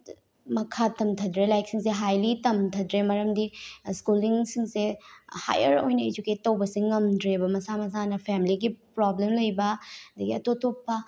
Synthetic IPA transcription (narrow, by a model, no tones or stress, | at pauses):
mɐkʰatɐmtʰɐdɾelajk̚siŋs̬eɦajlitɐmtʰɐdɾemɐɾɐmdiskuliŋsiŋseha̰jɐɾojnɐed͡ʒuket̚ːɐwbɐsiŋɐmdɾebɐmɐsamɐs̬anɐpʰemiliɡipɾoblemlɐjbɐɐd̪ɐɡiɐtotopːɐ